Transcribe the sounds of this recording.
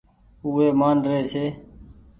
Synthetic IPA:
uːɦeːmaːnɾeːt͡ʃʰeː

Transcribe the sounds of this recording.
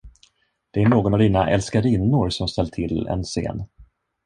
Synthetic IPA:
d̪̥ɛæɳoːɡɔnavd̪iːnaʔɛ̰lskaɾinːʊɾsɔmst̪ɛlːt̪ʰɪlɛ̰nsḛːn

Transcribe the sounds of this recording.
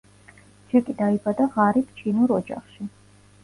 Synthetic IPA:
d͡ʒɛkʼid̪aibad̪aʁaɾip̚ʰt͡ʃʰinuɾɔd͡ʒa̰χʃi

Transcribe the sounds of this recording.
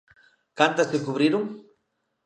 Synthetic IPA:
kant̪askekuβɾiɾuŋ

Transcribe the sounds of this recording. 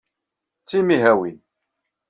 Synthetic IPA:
t͡sːimiɦæwin

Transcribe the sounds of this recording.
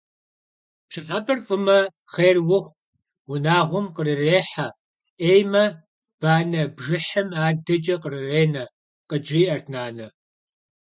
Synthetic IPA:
ʂɨħabɐrfʼɨmɐ | χeːrwʊχʷ | wʊnaːʁʷʊmqərɨreːħa | eːjmɐ | b̥aːnɐbʒɨħɐmaːdɐt͡ʃʼɐqərɨreːnɐ | qəd͡ʒiːʔɐrtʰnaːnɐ

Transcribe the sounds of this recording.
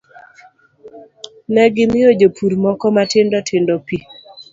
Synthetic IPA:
nɛɡɪmɪjod͡ʒopʰuɾmɔkɔmatɪndɔtʰɪndɔpi

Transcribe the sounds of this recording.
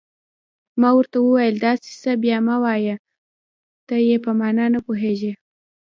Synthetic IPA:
mɑwəɾt̪awəwajəld̪ɑse̥sabjɑmawɑja | t̪ajepəmɑnɑnapoɦeʒe

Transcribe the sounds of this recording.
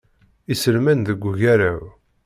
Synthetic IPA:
isəlmænðəɡʷːʝæɾæw

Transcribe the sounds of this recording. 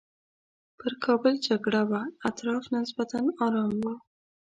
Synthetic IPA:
pəɾkʰɑbəld͡ʒaɡɽawaat̪ɾɑfnɪsbat̪anɑɾɑmwa

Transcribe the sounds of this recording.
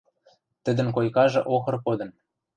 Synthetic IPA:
t̪ɘ̆d̪ə̆nkojkɑʒɤ̆ʔoxɤ̆rpod̪ɤ̆n

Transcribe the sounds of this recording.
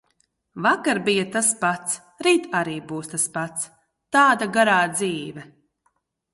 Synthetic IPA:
vakaɾbijat̪aspat̪s | ɾiːt̪aɾiːbuːst̪aspat̪s | t̪aːd̪aɡaɾaːd̪ziːvɛ

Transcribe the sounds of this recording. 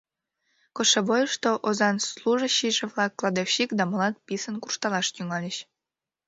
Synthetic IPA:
koʃeβojəʃt̪oʔozɑnsluʒəɕiʒeβlɑkːlˠɑd̪efɕikd̪ɑmolɑt̪̚pʲisənkurʃt̪ɑlɑʃt̪yŋɑlʲeɕ

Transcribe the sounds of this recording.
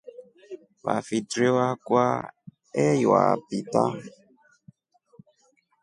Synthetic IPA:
βa̰fitɾewakwa | ɛja̰pita̰

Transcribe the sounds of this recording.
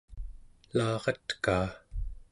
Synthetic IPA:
lɑːʁɑt̪kaː

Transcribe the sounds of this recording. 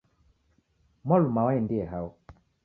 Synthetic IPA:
malumawaindiɛɦaɔ

